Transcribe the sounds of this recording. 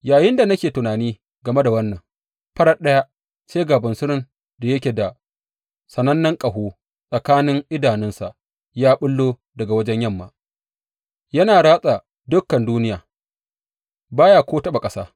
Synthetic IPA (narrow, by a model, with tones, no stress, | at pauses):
jaː˨jɪ˦nda˨nɐ˦kʲeː˨tʊ˨naː˨niː˦ | ɡɐ˨me˦da˨wɐ˦nːɐ˨ŋ | pɐ˦ɽa˦ɗɐ˦ja˦ | t͡ʃeː˦ɡaː˨bɐ˨nsʊ˦ɾɪ˦n | da˨jɐ˦kʲeː˨da˨ | sɐ˨nɐ˦nːɐ˦ŋkʼɐ˨ɦoː˦ | sʼɐ˨kaː˦nɪ˦ŋʔɪ˦daː˨nɪ˦nsa̰˨ʔ | jaː˦ɓʊ˦lːoː˦ | dɐ˨ɡa˨wɐ˦d͡ʒɛ˦ɲjɐ˦˨mːa̰ː˨ | jɐ˦naː˨ɽaː˦sʼa˨ | dʊ˦kːɐ˨nduː˦nɪ˦jaː˨ | baː˦jaː˦˨kʷoː˦tɐ˦ɓa˨kʼɐ˦sa̰ː˦